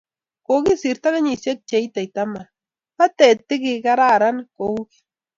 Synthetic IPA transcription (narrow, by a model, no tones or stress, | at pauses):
koɡisiɾt̪aɣaɲisek̚t͡ʃajt̪ajt̪ama | pat̪et̪iɡiɡaɾaɾankowɡi̥